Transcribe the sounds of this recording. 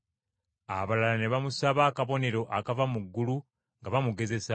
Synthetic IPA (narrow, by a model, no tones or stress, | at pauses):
a̰βalalane̞βamusaβaːkaβo̞ne̞ɾo̞ʔakavamuɡːulu | ŋɡaβamuɡe̞ze̞sa